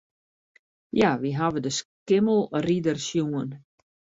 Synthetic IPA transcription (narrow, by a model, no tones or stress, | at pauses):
jaʋiɦaʋədəskɪməlˠridərsjuən